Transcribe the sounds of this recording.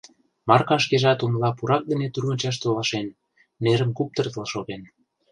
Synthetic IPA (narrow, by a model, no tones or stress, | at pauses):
mɑrkɑʃ̬keʒɑt̪umlɑpuɾɑk̚d̪ə̆net̪urɣɤ̆nʲt͡ɕɑʃ̬t̪olɑʃenː | eɾə̆mkup̚t̪ə̆rt̪əlʃoɣen